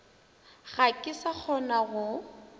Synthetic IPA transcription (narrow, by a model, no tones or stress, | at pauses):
ɣakʼɪsak͡xʰɔnaɣʊ